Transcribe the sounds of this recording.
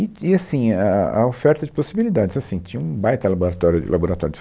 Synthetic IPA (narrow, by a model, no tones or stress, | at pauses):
ɪɪasĩaa̰ofɛɾt̪ɐd͡ʒɪposibilid̪ad͡ʒɪzasĩt͡ʃĩɲɐ̃ũbajt̪ɐlaboɾat̪ɔɾjʊ̰lʔaboɾat̪ɔɾjʊd̪d͡ʒɪ